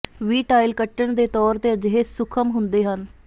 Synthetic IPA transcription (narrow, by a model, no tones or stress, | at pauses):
ʋiːʈaːɪlkəʈːəɳd̪eːt̪ɔːɾt̪eːəd͡ʒɦeːsʊkʰəmɦʊnd̪eːɦən